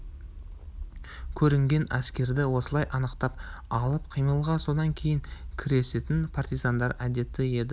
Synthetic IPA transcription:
kʲʰɵɾɪŋɡʲe̞næskʲe̞ɾd̪ɪwo̞səlˠɑjʔɑnəqt̪ɑpɑlˠəp̚qʰijməlˠʁɑso̞d̪ɑŋkʲʰe̞jɪŋkʲʰɪɾe̞se̞t̪ɪnpʰart̪ijzɑnd̪ɑɾæd̪e̞t̪ːɪe̞d̪ɪ

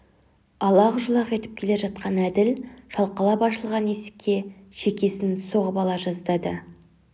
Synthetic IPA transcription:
ɑlˠɑʁʊʒəlˠɑqe̞t̪ɪ̥p̚kʲʰe̞le̞ʒɑt̪̚qɑnæd̪ɪlʃɑlˠqəlˠɑpɑʃəlˠʁɑne̞sɪ̥kʲʰːe̞ʃe̞kʲe̞sɪnso̞ʁəbɑlˠɑʒɑzd̪ɑd̪ə

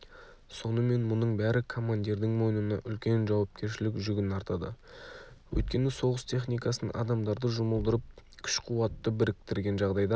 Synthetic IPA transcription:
so̞nəme̞nmʊnəɴbæɾɪkʰo̞mand̪ʲiɾd̪ɪŋmo̞jnənɑ̰ʔʏlkʲe̞nʒɑwɑp̚kʲe̞ɾʃɪlɪkʒʏɡʲɪnɑɾt̪ɑd̪ə̰ | wʔɵ̰jt̪̚kʲe̞nɪso̞ʁəst̪ʰe̞χnijkɑsɑ̰d̪ɑmd̪ɑɾd̪əʒʊməlˠd̪əɾəp̚kʲʰʏ̥ʃqʰuwɑt̪ːəbɪɾɪk̚t̪ɪɾɡʲe̞nʒɑʁd̪ɑjd̪ɑ

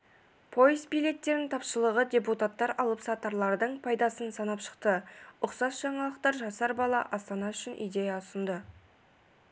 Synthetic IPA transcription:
pʰo̞jəzbijle̞t̪ːe̞ɾɪnt̪ʰɑpʃəlˠəʁəd̪ʲe̞put̪at̪ːɑɾɑlˠəpsɑt̪ɑɾlˠɑɾd̪əɴpʰɑjd̪ɑsənsɑnɑpʃə̥qt̪əʊqsɑsʒ̥ɑɴɑlˠəqt̪ɑɾʒɑsɑɾbɑlˠɑ̰ʔɑst̪ɑnɑʏʃɪnʔḭjd̪e̞jɑʊsənd̪ə

